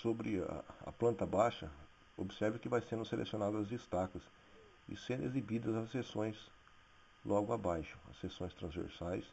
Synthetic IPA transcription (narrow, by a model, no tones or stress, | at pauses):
sobɾɪɐ̰ɐ̰plɐ̃nt̪ɐbaʃɐ | obɪsɛɾvɐkɪvajsẽnd̪ʊselʔḛsionad̪ʊɐzd͡ʒist̪akɐs | ɪ̰sẽnd̪ʊḛzibid̪ɐzɐsːesõj̃s | lʔɔɡʊabajʃʊ̥ɐ̰sːesõj̃st̪ɾɐ̃zvḛɾsajs